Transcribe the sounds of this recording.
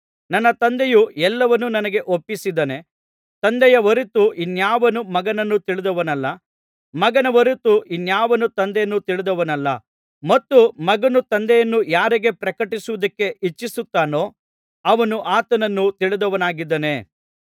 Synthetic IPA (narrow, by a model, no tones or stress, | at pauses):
nɐnːɐt̪ɐnd̪ejuɛlːɐʋɐnːunɐnɐɡe̞ʔopːisid̪ɐne̞ | t̪ɐnd̪ɛjɐʋɐɾit̪uʔinjaːʋɐnumɐɡɐnɐnːut̪iɭid̪ɐʋɐnɐlːɐ | mɐɡɐnɐʋɐɾut̪uʔinjaːʋɐnut̪ɐnd̪ɛjɐnːut̪iɭid̪ɐʋɐnɐlːɐ | mɐt̪ːumɐɡɐnut̪ɐnd̪ɛjɐnːujaːɾiɡe̞pɾɐkɐʈisuʋɐd̪ɐkːe̞ʔit͡ʃːisut̪ːaːno̞ː | ɐʋɐnuʔaːt̪ɐnɐnːut̪iɭid̪ɐʋɐnaːɡid̪ːɐne̞